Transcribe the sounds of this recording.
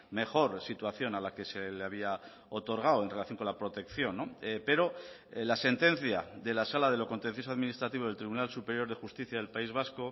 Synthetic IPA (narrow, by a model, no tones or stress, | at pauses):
me̞xo̞ɾsit̪waθjo̞nalake̞seleaβ̞ia | o̞t̪o̞ɾɣ̞awe̞nre̞laθjoŋkolapɾo̞t̪e̞kθjo̞nːope̞ɾo̞ | lase̞nt̪ẽ̞n̟θjaðe̞lasalaðe̞lo̞ko̞nt̪en̟θjos̬oaðminist̪ɾat̪iβo̞ð̞elt̪ɾiβunalsupe̞ɾjoɾð̞e̞xust̪iθjaðe̞lpaizβ̞asko̞